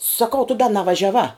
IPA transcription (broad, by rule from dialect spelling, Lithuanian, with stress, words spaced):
sɐˈkɐʊ tʊ dɐ nɐʋɐʒʲɛˈʋɑː